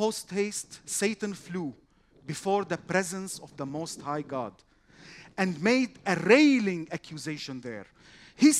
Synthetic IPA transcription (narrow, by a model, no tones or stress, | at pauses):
ostheɪstseɪtə̃nfluː | bɪfɔɹðəpɹɛzə̃nsɔvðəmosthaɪɡɑ̰d | æ̃ndmeɪdɨɾeɪlɪ̃ŋækʰjuzeɪʃə̃nðə̰ | hi